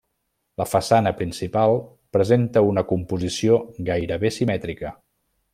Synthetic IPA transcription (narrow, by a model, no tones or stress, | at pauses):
ləfəsanəpɾinsipalˠ | pɾəzent̪əunəkumpuzisioɡajɾəβesimɛt̪ɾikə